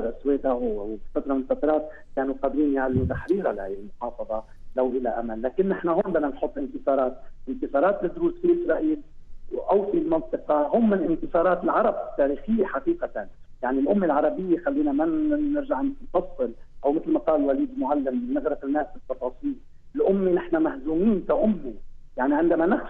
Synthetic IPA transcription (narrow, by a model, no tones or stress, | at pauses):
ɾʔasweːd̪awsɑt̪ɾˤɑmɪnfɑt̪ɾˤɑːt̪̚ | kanuqɑd̪ɾiːnjaʕalːʊt̪aħɾiːɾalahajlmʊħɑːfɑðˤɑ | lawʔɪlaʔa̰malːaːkɪnːɪħnahoːnbanːanħʊt̪ˤːʔɪnt̪ɨsˤɑːɾˤɑːt̪̚ʔɪnk̪ɨsˤɑːɾˤɑːt̪lɪd̪ɾuːsfiʔɪsɾˤɑʔiːlwʔawfilmɑnt̪ˤɨqɑɦʊːmːɪnlʔɪnk̪ɨsˤɑːɾˤɑːt̪ɪlʕɑɾˤɑbt̪ːaːɾiːxɪjːeħaqiːqat̪an | jaʕnilʔʊmːelʕɑɾˤɑbɪjːexalːiːnamanɪɾʒaʕnnfɑsˤːɨlʔawmɪt̪lmaqɑːlwaliːd̪lmʊʕalːɪmbɪnːɪɣɾɑfɪlnaːʔsbɨt̪ːɑfɑːsˤiːl | ɪlʔʊmːenɪħnamahzuːmiːnkaʔʊmːijaʕniʕɪnd̪amanɪx